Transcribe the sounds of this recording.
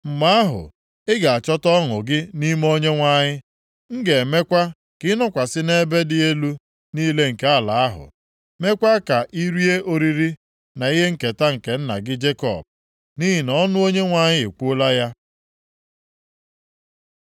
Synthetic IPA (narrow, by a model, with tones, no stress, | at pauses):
m̩˨ma˦a˦ɦʊ̰˨ | ɪ˦ɡa˨a˨t͡ʃɔ˦tɔ˦ŋʊ˨ɡɪ˦ni˦m˦o˦ɲe˦ŋʷa˨ɲɪ˦ | ŋ̩˦ɡe˨me˦kʷa˦ | kɪ˦nɔ˦kʷa˨sɪ˦ne˦be˦dɪ˨e˦lu˦ | niː˦le˦ŋ̩˨ke˦a˦˨la˨a˦ɦʊ̰˨ | me˦kʷa˦ka˨ʔi˦ɾi˦e˦ʔo˨ɾi˨ɾi˦ | na˨i˦ɦe˦ŋ̩˨ke˨ta˦ŋ̩˨ke˨˦n̩˦na̰˨ɡɪ˦d͡ʒe˦kɔ̰˨b̚ | ni˦ɦi˨nɔ˦nʊ˦o˦ɲe˦ŋʷa˨ɲɪ˦e˨kʷu˦la˦ja˦